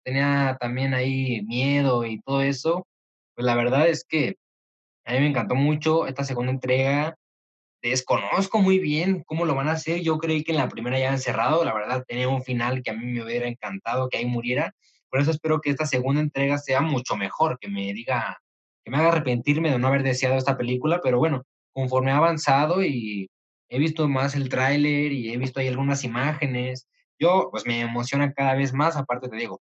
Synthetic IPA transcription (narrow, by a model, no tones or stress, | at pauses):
t̪e̞niat̪ambje̞naimje̞ð̞o̞it̪o̞ð̞o̞e̞so̞ | pwezlaβ̞e̞ɾðaðe̞ske̞ | amĩme̞ŋkant̪̬o̞mut͡ʃo̞e̞̰st̪as̬e̞ɣũnd̪ae̞nt̪ɾe̞ɣa | d̪̥e̞sko̞nosko̞mujβje̞nko̞mo̞lo̞βanaːse̞ɾʝo̞kɾeikenlapɾime̞ɾajaense̞raðo̞laβe̞ɾðaðt̪eniauɱfinalke̞amĩmeuβeɾaeŋkant̪að̞o̞keaimuɾje̞ɾa | po̞ɾe̞s̬o̞espe̞ɾo̞ke̞est̪ase̞ɣund̪ae̞nt̪ɾe̞ɣase̞amut͡ʃo̞me̞xo̞ɾke̞me̞ðiɣa | keme̞aɣaːre̞pe̞nt̪iɾme̞ðenoaβe̞ɾðe̞sjað̞o̞est̪ape̞likulape̞ɾo̞βwe̞no̞ | ko̞ɱfo̞ɾme̞aːβansað̞o̞i | e̞β̞ist̪o̞mase̞lt̪ɾajleɾie̞βist̪oaialɣunasimaxe̞ne̞s | ɟ͡ʝo̞pwe̞zme̞ːmo̞sjo̞nakaðaβe̞zmasapaɾt̪et̪e̞ðiɣo̞